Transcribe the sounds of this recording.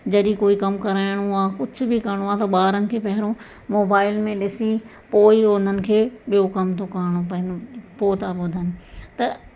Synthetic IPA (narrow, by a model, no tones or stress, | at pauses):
d͡ʑɐɗĩkoːikɐmkɐɾaːɪɽ̃oaːkʊd͡ʑʱʊ̆bikɐɾɽ̃oaːt̪ɐɓaːɾənɪ̆kʰeːpɐɦɪɾõ | moːbaːɪlmẽɗɪsi | poːiʊn̤ənɪ̆kʰeːɓijokɐmt̪ʰokaːɽ̃opɐɪnpoːt̪ʰaɓʊd̪ʱaːnɪt̪ɐ